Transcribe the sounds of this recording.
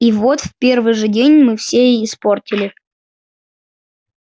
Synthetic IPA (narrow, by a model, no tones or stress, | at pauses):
ivot̪fʲpʲe̞rvɨjʐɨdʲenʲmɨfsʲeɪsportʲɪlʲɪ